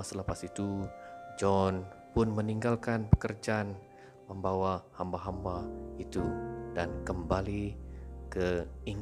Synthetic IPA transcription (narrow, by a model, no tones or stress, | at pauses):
asələpasit̪ud͡ʒɔnpʊnməniŋɡalkanpə̥kərd͡ʒaːn | məmbawahambaɦambait̪udankəmbalikəiŋ